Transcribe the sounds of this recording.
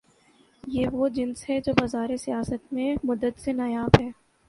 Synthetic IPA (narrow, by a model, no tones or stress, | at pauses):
jeːʋod͡ʒɪnsɦɛd͡ʒoːbazaːɾesijaːsət̪mẽmʊd̪ːət̪senɐjaːbɦɛː